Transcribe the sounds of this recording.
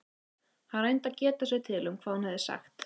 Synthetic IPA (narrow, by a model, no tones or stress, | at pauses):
haɾejnt̪aðcɛːt̪asɛɣt̪ʰɪlʏmkʰvaːðhunhɛvðɪsa̰xt̪